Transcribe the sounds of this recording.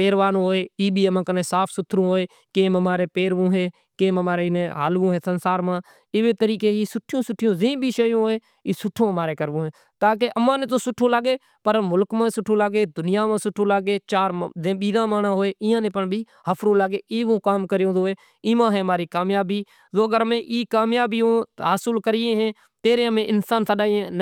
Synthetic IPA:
peːɾʋaːnõːɦoːeːiːɓʱiːəmãːkənẽːsaːpʰsʊt̪ʰːɾõːɦoːeː | keːməmaːɾeːpeːɾʋõːɦeː | keːməmaːɾenẽːɦa̰ːlʋõːɦeːsənsaːɾmãː | ɪʋeːt̪əɾiːkeːɦiːsʊʈʰːɪjõːsʊʈʰːɪjõːzẽːbʱiːʃəjõːɦːeː | iːsʊʈʰːõːəmaːɾeːkəɾʋõːɦẽː | t̪aːk̬eʔəmãːnẽːt̪̬oːsʊʈʰːõːlaːɡeː | pəɾmʊlkmãːsʊʈʰːõːlaːɡeːd̪ʊnɪjaːmãːsʊʈʰːõːlaːɡeːt͡ʃaːɾzẽːɓiːd̪ãːmaːnãːɦoːeːʔɪ̃ːãːnẽːpəɳbʱiː | həpʰɾõːlaːɡeːiːʋõːkaːmkəɾjõːzoːeː | ɪːmãːɦɛ̃ːmaːɾiːkaːmjaːbiː | zoːəɡəɾmẽːʔiːkaːmjaːbiːõːɦaːsəlkəɾɪːẽːɦɛ̃ː | t̪eːɾẽːəmẽːʔɪnsaːnsəɗaːiẽːn

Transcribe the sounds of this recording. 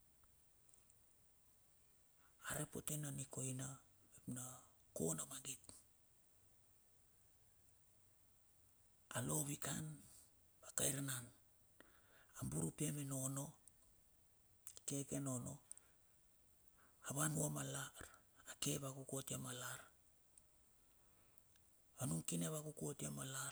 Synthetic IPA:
aɾe̞po̞̰te̞naniko̞jnaepnako̞̰namaɡit | alo̞βikan | bakajɾanan | ambuɾupemeno̞no̞ | ke̞ke̞no̞no̞ | aβanuamalaɾake̞βakukotiamalaɾ | anuŋkineβakukotiamala

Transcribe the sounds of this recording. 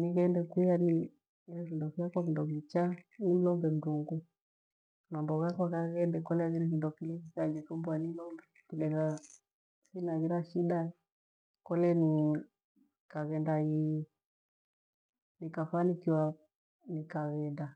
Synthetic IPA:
niɣɛndɛkujani | ilɛvindɔfiakwavindɔvit͡ʃanim̩lɔmbɛm̩duŋɡu | nambɔɣakwakaɣɛndɛkɔlɛaɣinivindɔkilikikad͡ʒɛfɔmbuanilɔmbɛ | kilɛɣa | sinaɣiɾaʃida | kɔlɛni | kaβɛndai | nikafanikiwa | nikaβɛnda

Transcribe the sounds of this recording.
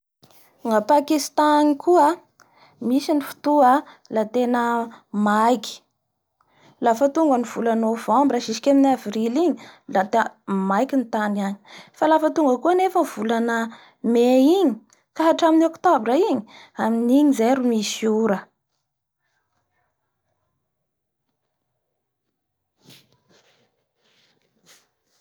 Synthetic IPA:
ŋapakist̪anikʰua | misinifu̥t̪ua | lat̪enəmajkʲi̥ | lafət̪uŋɡəniv̥ulanovambiraʃisi̥kʲaminavriliɲilat̪majkint̪aniaɲi̥falafət̪uŋɡəkuanefənv̥ulanə | meiɲi | kaɦaʈ͡ʂaminiɔkt̪obrəiɲi̥aminiɲizeɾumisiuɾə

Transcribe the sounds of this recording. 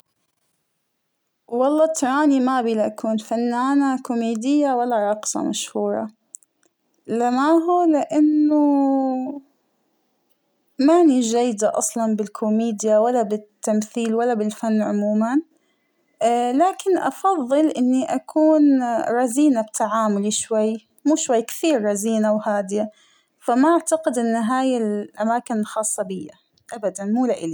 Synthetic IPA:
wɑlˤːɑːt̪ɑɾˤɑːnimabiːlaʔakuːnfanːaːnakʊmeːd̪ɪjːawalːaɾˤɑːqɨ̥sˤɑ̰maʃhuːɾˤɑ̰ | lamaɦulɪʔanːʊ | maʕnid͡ʒajːd̪aʔɑsˤlɑnbɪlkʰʊmeːd̪jawalːabɪt̪ːamθiːlwalːabɪlfanːʕʊmuːman | laːkɪnʔɑfɑðˤːɨlʔɪnːiʔakʰuːnɾˤɑziːnab̚t̪ʰaʕaːmʊliʃwajː | muːʃwajːkɪ̥θiːɾːɑziːnawhaːd̪ɪja | famaʔaʕt̪aqɪd̪ʔɪnːɦaːjɪlʔamaːkɪnɪlxɑːsˤːɑbɪjːa | ʔabad̪anmuːlaʔɪli

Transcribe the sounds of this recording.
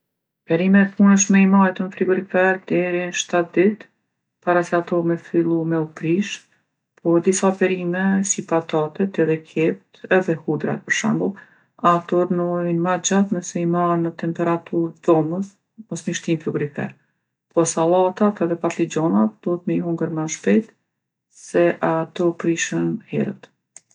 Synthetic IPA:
pɛɾimɛt̪̚punəʃ̬mɛimajɛt̪ənfɾiɡuɾifɛɾd̪̥ɛɾinʃt̪at̪̚d̪it̪ | paɾasɛat̪ɔmɛfilˠumɛupɾiʃ | pʰɔd̪isapɛɾimɛsipat̪at̪ɛt̪ɛðɛkʰɛp̚t̪ɛðɛhud̪ɾa̰t̪̚pəɾʃa̰mbəlˠ | at̪ɔɾnuinmad͡ʒat̪nɛsɛimanət̪ɛmpɛɾat̪ʰuɾðɔməs | mɔsmiʃt̪infuɡɾifɛ̰ɾ | pɔsalˠat̪at̪ɛðɛpat̪lid͡ʑɔnad̪̥ɔɦət̪mɛɦuŋɡəɾmaʃpɛt̪ | sɛʔat̪ɔpɾiʃənhɛ̰ɾə̰t̪

